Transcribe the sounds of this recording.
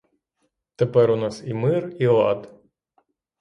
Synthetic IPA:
t̪ɛpɛɾʊnɑsimɪrilˠɑd̪

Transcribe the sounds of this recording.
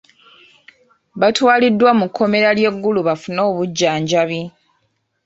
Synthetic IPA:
βatwaːlidːwamukʰːo̞me̞ɾalje̞ɡːuluβafuno̞ːβuɟːaːɲɟaβi

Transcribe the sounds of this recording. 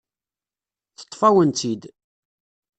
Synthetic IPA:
θə̥t̪ˤːfæwənt̪id̪

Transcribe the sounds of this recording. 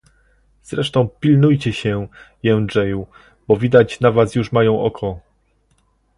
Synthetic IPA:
z̥ɾɛʂt̪ɔ̃w̃pʲilnujt͡ɕɛɕɛjɛnd͡ʐɛju | bɔvʲid̪at͡ɕnavasjuʂmajɔ̃w̃ʔɔkʰɔ

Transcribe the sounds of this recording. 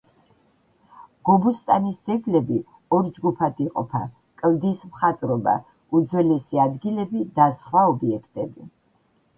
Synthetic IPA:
ɡ̥ɔbust̪ʼanisd̪zɛɡlɛbi | ɔɾd͡ʒɡupʰad̪iqʼɔ̰pʰa̰ | kʼld̪ismχat̪ʼɾɔba̰ | ud̪zwɛlɛsiad̪ɡilɛbid̪asχwaɔbiɛkʰt̪ʼɛbi

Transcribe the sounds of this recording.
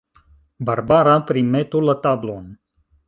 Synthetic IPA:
barbaɾapɾimet̪ulat̪ablon

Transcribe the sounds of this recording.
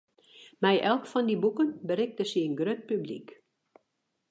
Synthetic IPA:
mɛjʔɛlˠkfɔndibukənbəɾɪk̚təsiənɡrøt̚pyblḭk

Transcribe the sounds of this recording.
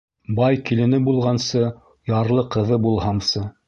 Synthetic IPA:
bɑjkilɘ̆nɘbulˠʁɑnsɤ | jɑɾlˠɤqɤ̆ðɤbulˠɦɑmsɤ

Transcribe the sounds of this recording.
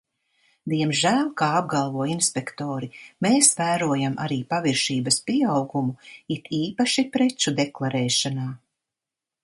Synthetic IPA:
d̪iɛmʒæːlʲˠkaːab̚ɡalˠvuɔinspekt̪oːɾimeːsvæːɾuɔjamʔa̰ɾiːpaviɾʃiːbɐspiɛawɡumuit̪ʰiːpaʃipɾɛt͡ʃud̪eklˠaɾɛːʃanaː

